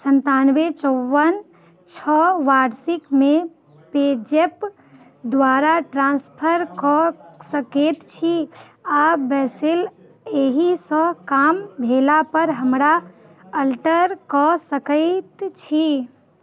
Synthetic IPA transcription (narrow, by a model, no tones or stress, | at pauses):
sənt̪anʋet͡ʃɔʋən | t͡ʃʰɔʋaɖsikme | ped͡ʒep | d̪ʋaɾaʈɾãnspʰəɾkɔsəket̪t͡ʃʰi | abɛsel | eɦisɔkambʱelapəɾɦəmɾa | əlʈəɾkɔsəkəɪt̪t͡ʃʰi